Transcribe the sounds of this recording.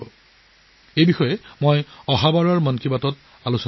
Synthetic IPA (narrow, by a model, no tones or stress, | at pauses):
ɔ | ejbixɔjɛmojɔɦabaɹɔɹmɔnkʰibatɔt | alusɔ